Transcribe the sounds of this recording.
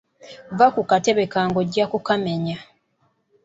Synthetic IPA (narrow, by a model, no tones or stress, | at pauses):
vakukateβe̞kaːŋɡo̞ɟakukame̞ɲa